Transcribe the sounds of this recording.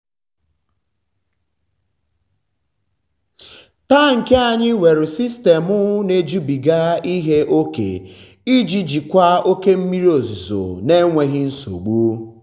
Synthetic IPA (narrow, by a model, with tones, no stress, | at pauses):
ta˦ŋ̩˨ke˦a˨ɲɪ˦we˨ɾʊ˨si˦ste˨mʊ˦ne˦d͡ʒu˦bi˨ɡa˦i˦ɦe˦ʔo˦kḛ˨ | i˦d͡ʒi˦d͡ʒi˨kʷa˦o˦ke˦m̩˦mi˦ɾi˦o˨zu˨zo̰˨ne˦ŋʷe˨ɣɪ˦n̩˦so̰˨ɡ͡bu˦